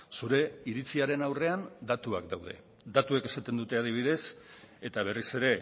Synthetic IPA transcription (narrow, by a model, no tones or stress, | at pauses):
suɾe̞iɾit͡siaɾe̞nawre̞and̪at̪uakd̪awð̞e̞̰ | d̪at̪ueke̞sat̪e̞nd̪ut̪e̞aðiβ̞iðe̞s | e̞t̪aβ̞e̞rise̞ɾe̞